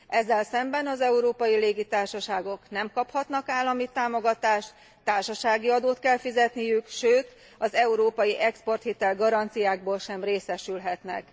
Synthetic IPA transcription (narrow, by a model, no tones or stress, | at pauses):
ɛzːɛlsɛmbɛnɒzɛuɾoːpɒjileːɡit̪aːrʃɒʃaːɡo̞knɛmkɒphɒt̪nɒkaːlːɒmit̪aːmo̞ɡɒt̪aːʃt̪ | t̪ːaːrʃɒʃaːɡiɒd̪oːt̪kɛlfizɛt̪nijykʃøːt̪ | ɒzɛuɾoːpɒjiʔɛkspo̞rt̪hit̪ɛlɡɒɾɒnt̪sijaːɡ̚boːlʃɛmreːsɛʃylɦɛt̪nɛ̰k